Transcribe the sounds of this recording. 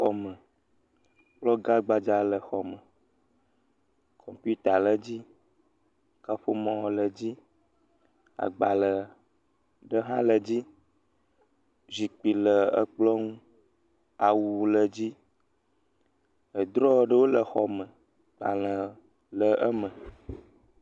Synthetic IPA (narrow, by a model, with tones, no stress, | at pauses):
xɔ˨mə˨ | k͡plɔ˦ɡa˦ɡ͡ba˨d͡ʒa˨˦lə˨xɔ˨mə̃˨ | kʰɔ˨mpu˦t̪a˨lə˨d͡ʑi˦ | ka˦ɸo˦mɔ̃˦˨wɔ˨lə˨d͡ʑi˦ | a̰˨ɡ͡ba˨lə˨ | ɖə˦ɦã˦lə˨d͡ʑi˦ | zi˨k͡pi˨lə˨ə̰˦k͡plɔ˦ŋũ˦ | a˨wu˨lə˨d͡ʑi˦ | ə˨d̪ɾɔ˦˨ɖə˦wo˦lə˨xɔ˨mə̃˨ | k͡pa̰˨lə̃˨ | lə˨ʔə˦mə̃˨